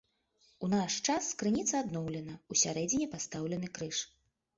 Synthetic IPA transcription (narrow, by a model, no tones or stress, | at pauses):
unaʂt͡ʂaskɾɨnʲit̪sɐad̪nɔwlʲɛnɐusʲaɾɛd͡zʲinʲipast̪awlʲɛn̪ɨkɾɨʂ